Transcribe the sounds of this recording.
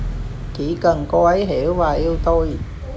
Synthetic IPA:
kiː˨˥kə˨˩ŋkɔː˧wɐ˨˥jɦe˨˦˥wwaː˨˩jiː˧wt̪o˧j

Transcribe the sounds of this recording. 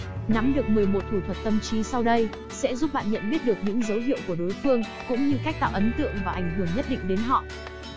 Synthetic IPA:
na˨˦mɗɨ˨˩ək̚mɨ˨˩əjmo˨˩t̚t̪ʰu˧˩t̪ʰwə˨˩t̚t̪ə˧mt͡ɕi˨˦sa˧wɗə˧j | sɛ̰˧˥zu˦˥p̚ɓa̰ː˧˨nɲə̰˧˨nɓi˦˥ət̚ɗɨ˨˩ək̚ɲɨ̰˧˥ŋzə˨˦wɦḭ˧˨əwku˧˩ə˩ɗo˨˦jfɨ˧əŋ | kʊ̰˧˥ŋ͡mɲɨ˧ka˦˥k̟̚t̪a̰ː˧˨wʔə˨˦nt̪ɨ̰˧˨əŋvaː˨˩ʔa˧˩jŋ̟ɦɨ˧˩əŋɲə˦˥t̚ɗḭ˧˨ŋ̟ɗe˨˦nɦɔ̰˧˨

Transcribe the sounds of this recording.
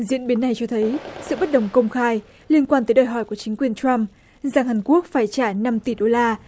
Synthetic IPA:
zḭ˧˥ənɓi˨˦nːa˨˩jt͡ɕɔ˧t̪ʰə˨˦jsɨ̰˧˨ɓt̚ɗə˨˩wŋ͡mkə˧wŋ͡mxaː˧j | li˧ənkwaː˧nt̪əː˨˦jɗəː˨˩jɦɔ˧˩jku˧˩ət͡ɕï˨˦ŋ̟kwi˨˩ənt͡ɕwa˧m | za˨˩ŋhaː˨˩nku˦˥ək̚faː˧˩jt͡ɕaː˧˩na˧mt̪i˨˩ɗo˧laː˧

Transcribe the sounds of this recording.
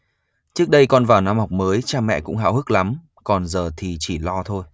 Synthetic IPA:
t͡ɕɨ˦˥ək̚ɗə˧jkɔ˨˧˩nvaː˨˩wna˧mhɔ˨˩wk͡p̚məː˨˦jt͡ɕaː˧mɛ̰˧˨kʊ̰˧˥ŋ͡mɦa̰ː˧˨whɨ˦˥k̚la˨˦m | kɔ˨˩nzəː˨˩t̪ʰi˨˩t͡ɕi˧˩lɔ˧t̪ʰo˧j

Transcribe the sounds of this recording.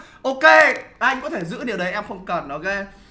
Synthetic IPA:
ʔo˧ke˧ʔa˧jŋ̟kɔ̰˨˦t̪ʰe˧˩zɨ̰˧˥ni˨˩wɗə˨˦jʔɛ˧mxə˧wŋ͡mkə˨˩nːɔ˨˦ɣe˧˦

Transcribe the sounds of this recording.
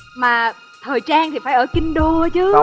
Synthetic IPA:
maː˨˩ | t̪ʰəː˨˩jt͡ɕaː˧ŋt̪ʰi˨˩faː˧˦jʔəː˧˩ki˧ŋɗo˧t͡ɕɨ˨˦

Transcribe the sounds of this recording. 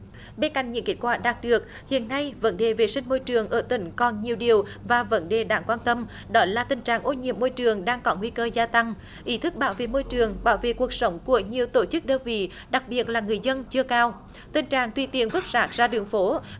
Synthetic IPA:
ɓe˧nka̰˧˨ŋ̟ɲɨ̰˧˥ŋke˦˥t̚kwaː˧˩ɗaː˨˩t̚ɗɨ˨˩ək̚ | hḭ˧˨ənːa˧jvə̰˧˦˥nɗe˨˩ve˨˩sï˧ŋ̟mo˧jt͡ɕɨ˨˩əŋʔəː˧˩t̪ï˧˦ŋ̟kɔ˨˩nɲi˨˩əwɗi˨˩əwvaː˨˩və̰˧˦nɗe˨˩ɗaː˧˩˦ŋkwaː˧nt̪ə˧m | ɗɔ˨˦laː˨˩t̪ï˨˩ŋ̟t͡ɕaː˨˩ŋʔo˧ɲḭ˧˨əmːo˧jt͡ɕɨ˨˩əŋɗaː˧ŋkɔ˨˦ŋwi˧kəː˧zaː˧t̪a˧ŋ | ʔi˨˦t̪ʰɨ˦˥k̚ɓaː˧˦wvḛ˧˨mo˧jt͡ɕɨ˨˩əŋɓaː˧˦wvḛ˧˨ku˨˩ək̚sə˨˦wŋ͡mku˧˩əɲi˨˩əwt̪o˧˩t͡ɕɨ˦˥k̚ɗəː˧nvḭ˧˨˥ | ɗa˨˩k̚ɓi˨˩ət̚laː˨˩ŋɨ˨˩əjzə˧nt͡ɕɨ˧əkaː˧w | t̪i˨˩ŋt͡ɕaː˨˩ŋt̪wi˧˩t̪i˧˩ənvɨ˦˥t̚z̥aː˦˥k̚zaː˧ɗɨ˨˩əŋfo˨˦

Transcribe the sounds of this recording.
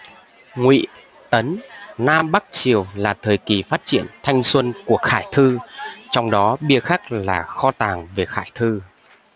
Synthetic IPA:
ŋwḭ˧˨ | t̪ə˨˦nnaː˧mɓa˦˥k̚t͡ɕi˨˩əwlaː˨˩t̪ʰəː˨˩jki˨˩faː˦˥t̚t͡ɕḭ˧˩˨ənt̪ʰa˧jŋ̟swə˧nku˧˩əxaː˧˩jt̪ʰɨ˧t͡ɕɔ˧wŋ͡mɗɔ˨˦ɓi˧əxa˦˥k̚laː˨˩xɔ˧t̪aː˨˩ŋve˨˩xaː˧˩jt̪ʰɨ˧

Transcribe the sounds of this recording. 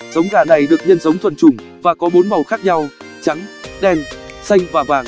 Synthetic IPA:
zə˨˦wŋ͡mɣaː˧˩na˨˩jɗɨ˨˩ək̚ɲə˧nzə˨˦wŋ͡mt̪ʰwə˨˩nt͡ɕʊ˧˩ŋ͡m | vaː˨˩kɔ˨˦ɓo˨˦nmə˨˩wxaː˦˥k̚ɲa˧w | t͡ɕa˨˦ŋɗɛ˧nsa˧jŋ̟vaː˨˩vaː˨˩ŋ

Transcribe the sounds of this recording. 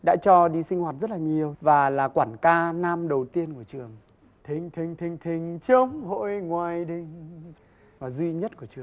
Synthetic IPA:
ɗa̰ː˧˥t͡ɕɔ˧ɗi˧sï˧ŋ̟hwaː˨˩t̚zə˦˥t̚laː˨˩ɲi˨˩əwvaː˨˩laː˨˩kwaː˧˩nkaː˧naː˧mɗə˨˩wt̪i˧ənku˧˩ət͡ɕɨ˨˩əŋ | t̪ʰi˨˩ŋt̪ʰï˨˩ŋ̟t̪ʰï˨˩ŋ̟t̪ʰï˨˩ŋ̟t͡ɕə˧ŋ͡mho̰˧˨jŋwaː˨˩jɗi˨˩ŋ | vaː˨˩zwi˧ɲə˦˥t̚ku˧˩ət͡ɕɨ˨˩əŋ

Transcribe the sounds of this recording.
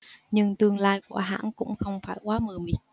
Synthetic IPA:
ɲɨ˧ŋt̪ɨ˧əŋlaː˧jku˧˩əɦa̰ː˧˥nkʊ̰˧˥ŋ͡mxə˧wŋ͡mfaː˧˩jkwaː˨˦məː˨˩mi˨˩˦

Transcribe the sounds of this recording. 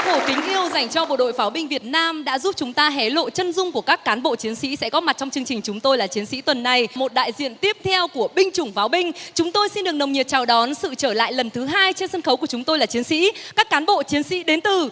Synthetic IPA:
ho˧˩ki˨˦ŋ̟ʔi˧əwza˨˩jŋ̟t͡ɕɔ˧ɓo̰˧˨ɗo̰˧˨jfaː˨˦wɓï˧ŋvi˨˩ət̚naː˧mɗa̰ː˧˥zu˦˥p̚t͡ɕʊ˨˦ŋ͡mt̪aː˧ɦɛ˨˦lo̰˧˨t͡ɕə˧nzʊ˧ŋ͡mku˧˩əkaː˦˥kːaː˨˦nɓo̰˧˨t͡ɕi˨˦ənsḭ˧˥sɛ̰˧˥kɔ˨˦ma˨˩t̚t͡ɕɔ˧ŋ͡mt͡ɕɨ˧əŋt͡ɕï˨˩ŋ̟t͡ɕʊ˨˦ŋ͡mt̪o˧jlaː˨˩t͡ɕi˨˦ənsḭ˧˥t̪wə˨˩nːa˨˩jmo˨˩t̚ɗa̰ː˧˨jzḭ˧˨ənt̪i˦˥əp̚t̪ʰɛ˧wku˧˩əɓï˧ŋ̟t͡ɕʊ˧˩ŋ͡mfaː˨˦wɓï˧ŋ̟t͡ɕʊ˨˦ŋ͡mt̪o˧jsi˧nɗɨ˨˩əknə˨˩wŋ͡mɲi˨˩t͡ɕa˨˩wɗɔ˨˦nsɨ̰˧˨t͡ɕəː˧˩la̰ː˧˨jlə˨˩nt̪ʰɨ˨˦ɦaː˧jt͡ɕe˧nsə˧nxə˨˦wku˧˩ət͡ɕʊ˨˦ŋ͡mt̪o˧jlaː˨˩t͡ɕi˨˦ənsḭ˧˥kaː˦˥kːaː˨˦nɓo̰˧˨t͡ɕi˨˦ənsḭ˧˥ɗe˨˦nt̪ɨ˨˩

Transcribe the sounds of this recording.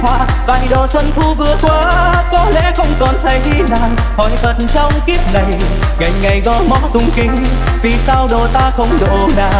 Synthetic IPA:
waː˧ | va˧˩jɗo˨˩sə˧nt̪ʰu˧vɨ˨˧˦ət̪ʰwaː˨˧ | kɔ˨˦lḛ˧˥xə˧wŋ͡mkɔ˨˩nt̪ʰə˨˦jɗi˧naː˨˩ŋ | hɔ̰˨˩jvə˨˩tnt͡ɕɔ˧wŋ͡mki˦˥əp̚nə˨˩j | ŋa˨˩jŋ̟ŋa˨˩jɣɔ˧˦mɔ˨˧˦t̪ʊ˨˦ŋ͡mkï˨˦ŋ̟ | vi˨˩saː˧wɗo˨˩t̪aː˧xə˧wŋ͡mɗɨ˨ə˩o˨nɗaː˧˨˩

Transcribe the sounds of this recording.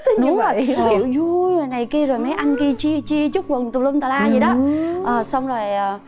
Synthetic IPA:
nʊ˦˨˩kki˧˩əwzu˧jvaː˨˩na˨˩jki˧əzo˨˩jmɛ˨˦ʔa˧jŋ̟ki˧t͡ɕi˧ət͡ɕi˧ət͡ɕu˦˥t̚wə˨˩ŋt̪u˨˩lə˧ŋ͡mt̪a˨˩laː˧zi˨˩ɗɔ˨˦ʔəː˨˩sa˧wŋ͡mzo˨˩jʔəː˨˩

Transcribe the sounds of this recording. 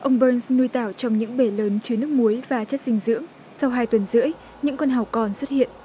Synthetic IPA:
ʔə˧wŋ͡mɓəː˧nsnu˧jt̪aː˧˩wt͡ɕɔ˧wŋ͡mɲɨ̰˧˥ŋɓe˧˩ləː˨˦nt͡ɕɨ˨˦ənɨ˦˥ək̚mu˨˦jvaː˨˩t͡ɕə˦˥t̚sï˧ŋ̟zɨ̰˧˥əŋ | sa˧wɦaː˧jt̪wə˨˩nzɨ̰˧˥əj | ɲɨ̰˧˥ŋkwa˧nɦɔ˨˩wkɔ˨˩nswə˦˥t̚hḭ˧˨ən

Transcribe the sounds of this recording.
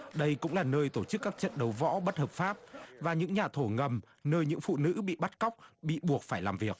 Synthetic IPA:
ɗə˧jkʊ̰˧˥ŋ͡mlaː˨˩nəː˧jt̪o˧˩t͡ɕɨ˦˥kːaː˦˥k̚t͡ɕə̰˧˨nɗə˨˦wvɔ̰˧˥ɓə˦˥t̚həː˨˩p̚faː˦˥p̚vaː˨˩ɲɨ̰˧˥ŋɲaː˨˩t̪ʰo˧˩ŋə˨˩m | nəː˧jɲɨ̰˧˥ŋfṵ˧˨nɨ̰˧˥ɓḭ˧˨ɓa˦˥t̚ka˦˥wk͡p̚ɓḭ˧˨ɓu˨˩ək̚faː˧˩jlaː˨˩mvi˨˩ək̚

